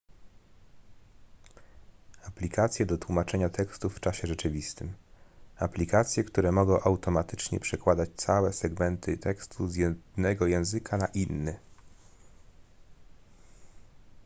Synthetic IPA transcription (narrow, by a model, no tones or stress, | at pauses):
aplʲikʰat̪sʲjɛd̪ɔt̪wumat͡ʂɛɲat̪ɛkst̪ufːt͡ʂaɕɛʐɛt͡ʂɘvʲist̪ɘmaplʲikat̪sʲjɛkt̪uɾɛmɔɡɔ̃w̃ʔawt̪ɔmat̪ɘt͡ʂɲɛ̰pʂɛkwad̪at͡ɕt̪sawɛsɛɡmɛnt̪ʰɘt̪ʰɛkst̪ʰuzjɛd̪nɛɡɔjɛ̃w̃zɘkʰanaʔinːɘ